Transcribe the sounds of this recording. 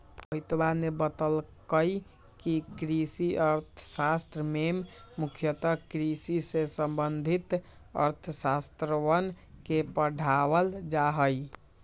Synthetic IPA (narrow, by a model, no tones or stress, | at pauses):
pəit̪banebət̪əlkəj | kikɾisiəɾt̪ʰəsast̪ɾəmemːukʰjət̪əkɾisisesəmbənd̪ʱit̪ | ə̰ɾt̪ʰəsast̪ɾəʋən | kepəɖʱawəld͡ʒaɦəj